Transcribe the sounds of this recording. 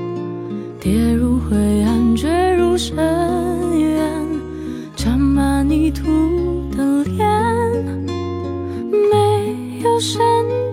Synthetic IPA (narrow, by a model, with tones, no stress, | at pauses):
t̪jɛ˧˥ɻu˧xwe˧˩ɪa˧˩nt͡ɕɥe˥ɪɻu˧˥ʂə˧ | ɛ˧n | ʈ͡ʂʰa˧˥mma˧ni˧˥˩t̪ʰu˧˥t̪ə˨˧ŋljɛ˥˧n | me˧ɪ | jo˧ʊʂə˧n